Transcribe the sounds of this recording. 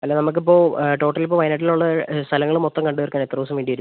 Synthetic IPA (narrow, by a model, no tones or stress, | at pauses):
ɐtlːeːnɐmuk̬ːip̬ːo̞ːʈo̞ːʈːɐlipːoːʋɐjnɐʈ̬ːiluɭːɐst̪ʰɐlɐŋːɐɭumot̪ːɐmkɐɳɖuʋɐrkʲːaːnet̪ːrɐʋːɐs̬ɐmʋeːɳɖiʋɐɾu